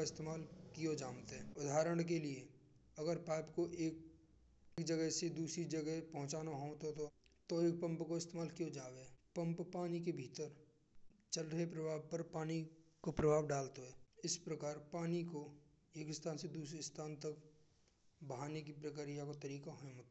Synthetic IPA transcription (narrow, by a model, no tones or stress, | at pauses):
ɪst̪eːmaːlkijod͡ʒaːmt̪ɦɛːʊd̪ʱaːɾəɽ̃k̬elie | ɐɡəɾpaːpkoʔeːk̚ | kd͡ʒəɡɛɦsed̪uːsɾid͡ʒəɡɛɦpɐɦʊ̃t͡ʃaːnaɦoːt̪ot̪ot̪oeːk̚pə̃mpkoɪst̪eːmaːlkijod͡ʒaːʋepə̃mppaːnik̬ebʱiːt̪əɾ | t͡ʃəlɾəɦepɾəbʱaːʋpəɾpaːnikopɾɐbʱaːʋɖaːlt̪oɦɛːɪspɾəkaːɾpaːniko | eːkɪst̪ʰaːnsed̪uːsɾist̪ʰaːnt̪ək | bəɦaːnekipɾəkəɾijakot̪ɐɾiːkaɦomot̪a